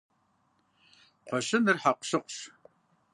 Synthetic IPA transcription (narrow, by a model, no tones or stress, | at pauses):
qʷɔɕɪnɨrħaqʷɕɨqʷɕ